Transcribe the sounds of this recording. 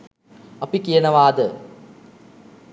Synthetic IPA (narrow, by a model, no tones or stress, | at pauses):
ɐpikijɐnɐʋaːd̪ə